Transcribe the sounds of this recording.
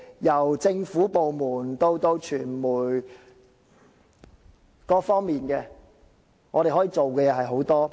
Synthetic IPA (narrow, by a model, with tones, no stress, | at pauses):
jɐ˨˩wt͡sɪ˧ŋfuː˨˥po˨wmuː˨˩nt̪o˥wt̪o˥wt͡ʃʰyː˨˩nmuː˨˩j | kɔː˧fɔː˥ŋmiː˨nkɛː˧ | ŋɔː˨˧ɾe˨jɦɔː˨˥jiː˨˧t͡so˨wkɛː˧jɛː˨˧ɦɐ˨jɦo˨˥wt̪ɔː˥